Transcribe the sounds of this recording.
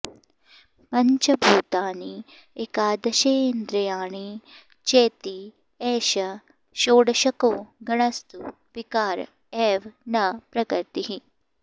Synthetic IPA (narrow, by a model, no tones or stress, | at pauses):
pɐɲt͡ʃɐbʱuːt̪aːni | eːkaːd̪ɐʃeːnd̪ɾɐjaːɳ̃i | t͡ʃeːt̪i | eːʃɐ | ʃoːɽʃɐkoːɡɐɳɐst̪u | pikaːɾ | eːʋnɐpɾɐkɐɾt̪iɦi